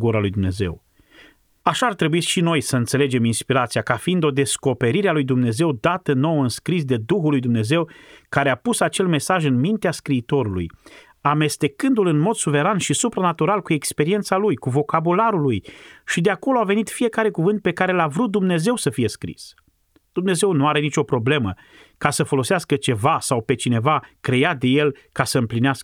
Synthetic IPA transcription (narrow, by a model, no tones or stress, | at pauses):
ɡuɾalujd̪umne̞̰ze̞̰w | aʃaːrt̪ɾe̞buiʃino̞jsəɨnt̪se̞le̞d͡ʒe̞minspiɾat̪sijakafiːnd̪o̞d̪e̞sko̞pe̞ɾiɾealujd̪umne̞ze̞wd̪at̪əno̞wəɨnskɾis̬d̪e̞d̪uxulːujd̪umne̞ze̞wkaɾe̞apusat͡ʃe̞lme̞saʒɨnmint̪easkɾiːt̪o̞ɾulṵj | ame̞st̪e̞kɨnd̪ulɨnmo̞d̪suve̞ɾanʃisupɾanat̪uɾalkue̞kspe̞ɾie̞nt̪salujkuvo̞kabulaɾulujʃid̪eako̞loave̞nit̪fije̞kaɾe̞kuvɨnt̪̚pe̞kaɾe̞lavɾut̪̚d̪umne̞ze̞wsəfije̞skɾḭs | d̪̥umne̞ze̞wnuaɾe̞nit͡ʃo̞pɾo̞ble̞mə | kasəfo̞lo̞seaskət͡ʃe̞vasawpe̞t͡ʃine̞vakɾe̞jad̪e̞je̞lkasəɨmplineaskə̥